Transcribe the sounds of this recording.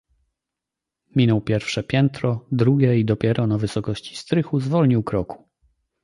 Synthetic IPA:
mʲinɔwpʲjɛɾfʂɛpʲjɛnt̪ɾɔd̪ɾuɡʲjɛid̪ɔpʲjɛɾɔnavɘsɔkɔɕt͡ɕi̥st̪ɾɘxuzvɔlɲiwkɾɔku̥

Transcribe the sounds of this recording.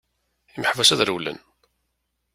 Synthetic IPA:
iməħvæsæðɾəwlə̰n

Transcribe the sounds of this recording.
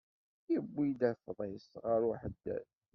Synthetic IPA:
jəbːid̪æfðˤesʁəɾuħəd̪ːæ̰θ

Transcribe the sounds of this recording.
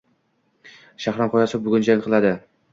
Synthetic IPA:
ʃahɾɒmqʰɒjasɪbʊɡʲʊnd͡ʒaŋqʰɨlˠad̪ɪ

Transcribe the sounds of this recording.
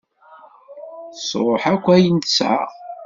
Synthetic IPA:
sˤɾˤoħækʷːæjənt͡sːʕa̰ʁ

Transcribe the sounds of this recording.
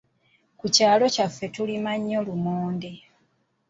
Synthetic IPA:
kucaːlo̞cafːe̞tulimaɲːo̞lumoːnde

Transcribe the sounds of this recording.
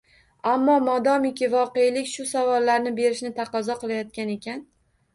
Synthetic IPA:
amːɒmɒd̪ɒmɪkʲɪvɒqe̞jlɪkʲʃʊsavɒlːaɾnɪbe̞ɾɪʃnɪt̪ʰaqɒzɒqɨlˠajɒt̪̚kʲane̞kʲʰan

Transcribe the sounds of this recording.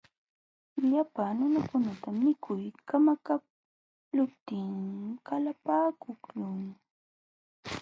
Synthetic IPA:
ʎapanʊnakʊnat̪amɪkʰʊjkamaka | lʊpt̪ɪŋkalapaːkʊkʎʊŋ

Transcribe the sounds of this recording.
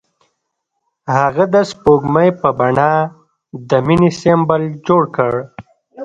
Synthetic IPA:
haɣad̪əspoɡmajpəbaɳa | d̪əminisembəld͡ʒoɽkəɽ

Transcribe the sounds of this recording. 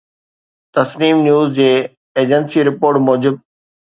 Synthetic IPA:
t̪ɐsniːmnjuːzd͡ʑeː | eːd͡ʑənsiɾɪpoːɾʈmɔːd͡ʑɪb̚

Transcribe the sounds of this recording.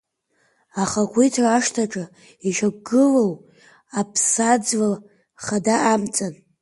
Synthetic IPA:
aχakʷʰijtʰraːʂtʰaʈ͡ʂʼa | iʒʷakɡɨlow | apʰsad͡zva | χadaʔamt͡sʼan

